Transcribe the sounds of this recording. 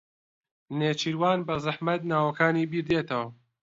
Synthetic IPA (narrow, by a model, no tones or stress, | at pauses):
neːt͡ʃiɾwaːnbɐzɨħmɐt̪̚naːwɐkaːniːbiːɾd̪eːt̪ʰɐwɐ